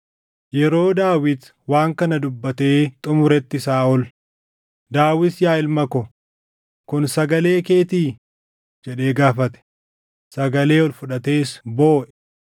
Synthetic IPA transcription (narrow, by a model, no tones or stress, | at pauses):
jɛɾo̞ːd̪aːwɪd̪ | waːŋkɐnɐd̪ʊbːɐt̪e̞ːt̪ʼʊmʊɾɛt̪ːɪsaːɔl | d̪aːwɪsjaːɪlmɐkɔ | kʊnsɐɡɐle̞ːke̞ːt̪iː | d͡ʒɛɗe̞ːɡaːfɐt̪ɛ̥ | sɐɡɐle̞ːɔlfʊᶑɐt̪e̞ːsbo̞ːʔɛ̥